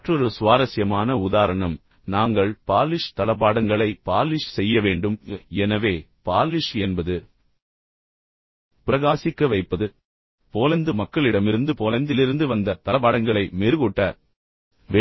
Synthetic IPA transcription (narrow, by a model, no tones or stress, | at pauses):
ʈrɔɾɯsʊʋaːɾɐsɪjɐmaːnɐʊðaːɾɐɳɐm | naːŋɡɐɭpaːlɪʂt̪ɐlɐp̬ːaːɽɐŋɡɐɭɐɪpaːlɪʂsɛjːɐʋeːɳɖɯmɛnɐʋeː | paːlɪʂɛnbɐðɯ | pɪɾɐɣaːsɪkːɐʋɐɪpːɐðɯ | poːlɐnd̪ɯmɐkːɐɭɪɽɐmɪɾɯnd̪ɯpoːlɐnd̪ɪlɪɾɯnd̪ɯʋɐnd̪ɐt̪ɐlɐpːaːɽɐŋɡɐɭɐɪmeːɾɯɣuːʈːɐ | ʋe